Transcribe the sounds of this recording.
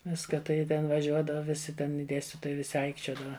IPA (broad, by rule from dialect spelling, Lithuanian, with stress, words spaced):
ˈʋʲɪskɐ tɐɪ ˈjɪ tʲɛn ʋɐˈʒʲuɔdɐʋɐ ˈʋʲɪsʲɪ tʲɛn ɪ ˈdʲeːsʲtʲɪtoːjɛɪ ʋʲɪˈsʲɪ ˈɐɪkt͡ʃʲoːdɐʋɐ